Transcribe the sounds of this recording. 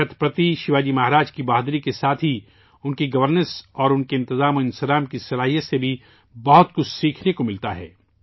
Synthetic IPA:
ɐt̪ʰpɾɐt̪iʃɪʋaːd͡ʒimaɦɾaːd͡ʒkibaːd̪ɾikesaːt̪ʰɦi | ʊnkiɡɐʋəɾnəɾsɔːɾʊnkeɪ̃nt̪ɪzaːmoɪ̃nsəɾaːmkisɐlaːɦijəsebʱi | bɐɦʊt̪kʊt͡ʃʰsiːkʰnekomɪlt̪aɦɛ̰ː

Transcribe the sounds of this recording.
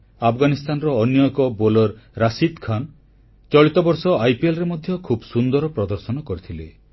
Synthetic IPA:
apʰɡanist̪anɾɔːnjɔjkɔbolɔɾɾasid̪kʰan | t͡ʃɔɭit̪ɔbɔɾsɔajpielɾemɔd̪ʱjɔkʰubsund̪ɔɾɔpɾɔd̪ɔɾsɔnɔkɔɾit̪ʰile

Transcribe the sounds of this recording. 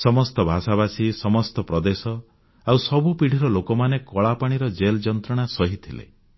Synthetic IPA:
sɔmɔst̪ɔbʱasaβasisɔmɔst̪ɔpɾɔd̪esɔ | awsɔbupiɽ̤iɾɔlokɔmanekɔɭapaɽ̃iɾɔd͡ʒeld͡ʒɔnt̪ɾɔɽ̃asɔɦit̪ʰilḛ

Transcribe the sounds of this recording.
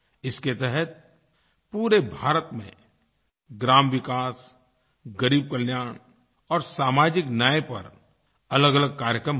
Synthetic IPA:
ɪsket̪ɛɦɛt̪̚ | puːɾebʱaːɾət̪mḛ̃ | ɡɾaːmʋɪkaːs | ɡəɾiːb̚kəljaːɳ̃ | ɔːɾsaːmaːd͡ʒɪknaːepɐ̰ɾ | ɐləɡələɡ̚kaːɾjəkɾəm

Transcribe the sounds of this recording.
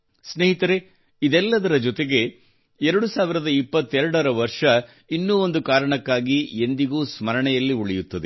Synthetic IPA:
sneɦit̪ɐɾe | id̪ɛlːɐd̪ɐɾɐd͡ʒɔt̪eɡe̞ | ɛɾɐɽusaːʋiɾɐd̪ɐipːɐt̪ːɛɾɐɽɐɾɐʋɐɾʂɐ | inːuːo̞nd̪ukaːɾɐɳɐkːaːɡiend̪iɡuːsmɐɾɐɳɛjɐlːiuɭɛjut̪ːɐd̪e

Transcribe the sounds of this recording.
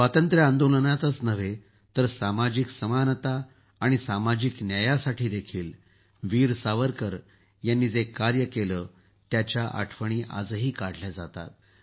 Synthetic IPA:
sʋat̪ənt̪ɾjəãnd̪olənat̪ət͡snəʋe | t̪əɾsamad͡ʑiksəmanət̪aː | ɽ̃isamad͡ʑiːknjəjasaʈʰiːd̪ekʰiːl | ʋiːɾsaʋəɾkəɾ | janːiːd͡zekaɾjəkeləː | t̪jat͡ɕjaʔa̰ʈʰʋəɽ̃iːʔa̰d͡zɦiːkaɽ̤ljad͡zat̪a̰t̪̚

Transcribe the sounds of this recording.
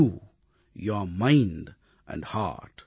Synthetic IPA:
u | jɔɾmãɪ̃nɖ | ʔɛ̰̃ɳɖha̰ʈ

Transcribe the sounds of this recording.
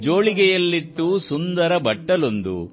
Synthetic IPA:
d͡ʒoːɭiɡɛjɐlːit̪ːusund̪ɐɾɐbɐʈːɐlond̪ṵ

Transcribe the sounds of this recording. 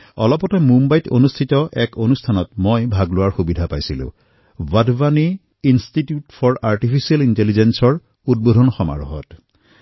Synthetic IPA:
ɔ̰lɔpɔtɛmumbajto̰nustʰitɔʔɛkonustʰanɔtmojbʱaɡlʊwaɹxubidʱapajsilʊ̰̃ | vadvaniː | nstitjutfʰɔɹaɹtipʰisialintelizensɔɹ | ud̚bodʱɔnxɔma̰ɹɔɦɔ̰t

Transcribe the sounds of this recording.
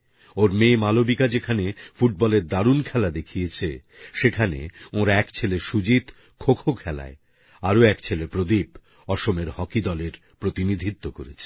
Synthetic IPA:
oɾmemalobikad͡ʑekʰanefuʈ̚bɔleɾd̪aɾunkʰɛlad̪ekʰijet͡ɕʰe | ʃekʰanḛõɾaɛkt͡ɕʰeleʃud͡ʑit̪ | kʰokʰokʰɛla̰e | aɾoɛkt͡ɕʰelepɾod̪ib | ɔʃomeɾhɔkid̪ɔleɾ | pɾot̪inid̪ʱit̪ːoko̰ɾet͡ɕʰe̥

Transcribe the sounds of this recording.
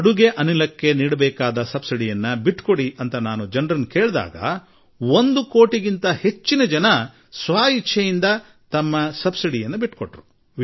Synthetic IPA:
ɐɽuɡeʔɐnilɐkːe̞niːɽɐbɛːkaːd̪ɐsɐbsiɽijɐnːɐbiʈːko̞ɽiʔɐnt̪ɐnaːnud͡ʒɐnɾɐnːkeːɭd̪a̰ːɡɐ̰ | ond̪uko̞ːʈiɡint̪ɐhe̞t͡ʃːinɐd͡ʒɐnɐ | sʋaːjit͡ʃʰːɐjind̪ɐ | t̪ɐmːɐsɐbsiɽijɐnːɐbiʈːkoʈɾu

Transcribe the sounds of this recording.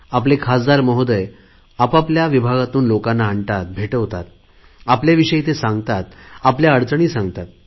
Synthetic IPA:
aplekʰasd̪aɾməɦod̪əj | apapljaʋibʱaɡat̪uːnlokanːaːɳʈat̪̚bʱeʈəʋt̪at̪̚ | apljaʋiɕəjit̪esãŋɡt̪at̪apljaəɽt͡sɳiːsãŋɡt̪at̪̚

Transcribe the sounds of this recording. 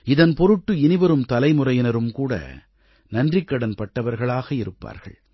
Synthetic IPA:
ɪðɐnpɔɾɯʈːɯɪnɪʋɐɾɯmt̪ɐlɐɪmʊrɐjɪnɐɾɯmkuːɽɐ̰ | nɐndrɪkːɐɽɐnpɐʈːɐʋɐɾɣɐɭaːɣɐɪɾɯpːa̰ːɾɣɐ̰ɭ

